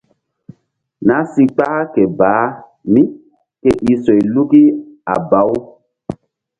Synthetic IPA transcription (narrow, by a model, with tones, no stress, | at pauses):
na˦si˧k͡pa˦kɛ˨baː˨˦ | mi˦ | kɛ˦ʔi˨sɔ˨jlu˦ki˦a̰˨ba˨˦w